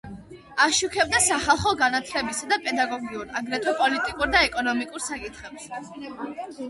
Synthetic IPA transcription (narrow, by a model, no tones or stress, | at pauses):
aʃukʰɛb̚d̪asaχalˠχɔɡanat̪ʰlɛbisad̪apʼɛd̪aɡɔɡiuɾaɡɾɛt̪ʰwɛpʼɔlit̪ʼikʼuɾd̪aɛkʼɔnɔmikʼuɾsakʼit̪ʰχɛps